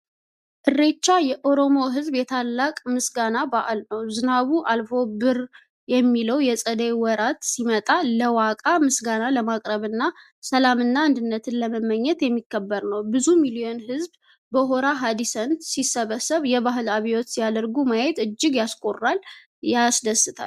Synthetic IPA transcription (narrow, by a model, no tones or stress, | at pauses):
ʔɨrːe̞t͡ʃːajɛʔo̞ɾo̞mo̞ɦɨzbjɛt̪ʰalːakʼmɨsɡanabaʔalnəwzɨnaβuʔalfo̞bɨɾ | jɛmːiləwjɛsʼəd̪ewɔɾat̪simət̪ʼaləwakʼamɨsɡanaləmakʼɾəβɨnːa | səlamɨnːaːnd̪ɨnːət̪ʰɨnləməmːəɲːɛt̪jɛmːikʰːəbːəɾnəwbɨzumilio̞nhɨzb | bəɦo̞ɾaɦad̪isənt̪sisəβəsəβjɛβaɦɨlaβijot̪sijad̪əɾɡumajɛt̪ɨd͡ʒːɪɡjaskʼorːal | jasd̪əsːɨt̪ʰa̰l